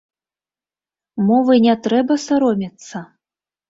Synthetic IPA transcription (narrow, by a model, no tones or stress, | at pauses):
mɔvɨnʲɛt̪ɾɛbɐsaɾɔmʲɛt̪sːɐ